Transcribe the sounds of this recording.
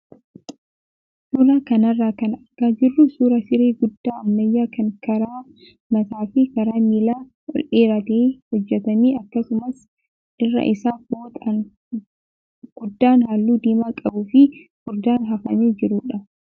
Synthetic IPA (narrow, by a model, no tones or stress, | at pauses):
suːɾɐkɐnɐrːaːkɐnɐɡ̥aːd͡ʒɪrːʊsuːɾɐsɪɾeːɡʊd̪ːaːɐmːɐjːaːkʰɐŋkɐɾaː | nɐt̪aːfɪkɐɾaːmiːlaː | ɔ̰lʔeːɾɐt̪eːhɔd͡ʒːɛt̪ɐmiːɐkːɐsʊmɐs | ʔɪrːɐ̰ʔɪsaːboːt̪ʼɐn | ɡ̥ʊd̪ːaːnhaːlːuːd̪eːmaːkʼɐbʊfɪhʊɾd̪aːnɦɐfɐneːd͡ʒɪɾuːᶑɐ